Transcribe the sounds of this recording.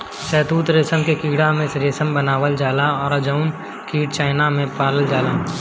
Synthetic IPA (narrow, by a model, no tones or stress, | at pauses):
sɛːt̪uːt̪ɾeːsəmkekiːɽamẽsɾeːsəmbənaːʋəld͡ʒaːlaɔːɾɐd͡ʒaʊn | kiːɽt͡ʃaːɪnamẽpaːləld͡ʒaːlaː